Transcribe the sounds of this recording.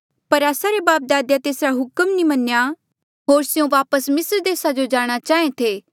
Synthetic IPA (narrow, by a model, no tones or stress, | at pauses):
pɐɾaːsaɾebaːp̚d̪aːd̪jat̪eːsɾaɦʊkəmnĩmɐnja | ɦoːɾsɪjõʋaːpəsmɪsɾd̪eːsad͡ʒod͡ʒaːɽ̃at͡ʃaːẽt̪ʰeː